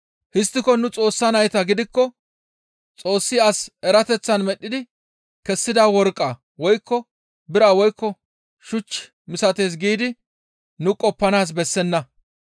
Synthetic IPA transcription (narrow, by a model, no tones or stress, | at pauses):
hɪst̪ːɪkɔnʊt͡sʼo̞ːsːɐnɐjt̪ɐɡɪd̪ɪkːɔ | t͡sʼo̞ːsːɪɐsɛɾɐt̪ɛt͡sːɐnmɛɗːɪd̪ɪ | kɛsːɪd̪aːwɔɾkʼːa | wɔjkːɔ | bɪɾaːwɔjkːɔ | ʃʊt͡ʃː | mɪsɐt̪e̞ːs̬ɡiːd̪ɪ | nʊkʼɔpːɐnaːs̬bɛsːɛnːɐ